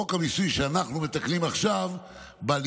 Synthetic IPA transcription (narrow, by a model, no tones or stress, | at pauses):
okamisujʃeanaχnume̞t̪aklimaχʃav | bal